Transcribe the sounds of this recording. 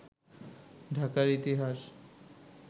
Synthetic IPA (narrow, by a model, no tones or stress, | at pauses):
ɖʱakaɾit̪iɦaʃ